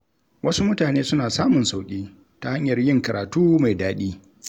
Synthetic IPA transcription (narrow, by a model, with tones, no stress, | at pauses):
wʔɐ˦su˦mʊ˦taː˨neː˦sʊ˦naː˨saː˦mʊ˨nsa˨wkʲʼiː˦ | ta˨ha˦ɲjɐ˨rjɪ˦ŋkɐ˨ɾʔa̰ː˨tuː˦ma˨jdaː˦ɗiː˦